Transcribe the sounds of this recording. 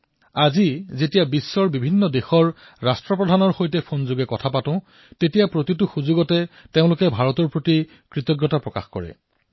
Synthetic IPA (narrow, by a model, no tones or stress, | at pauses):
azizetijabisːɔɹbibʱinːɔdexɔɹ | ɹastɹɔpɹɔdʱanɔɹxojtɛpʰonzuɡɛkɔtʰapatʊ̃ | tetijapɹotitʊxuzuɡɔtɛteʊ̃lʊkɛbʱaɹɔtɔɹpɹoti | kɹitɔɡjɔtapɹɔka̰xkɔ̰ɹɛ̰